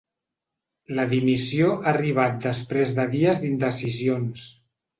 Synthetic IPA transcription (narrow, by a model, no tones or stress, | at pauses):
ləðimisioʔaːriβ̞at̪̚d̪əspɾezðəðiəzd̪ind̪əsizions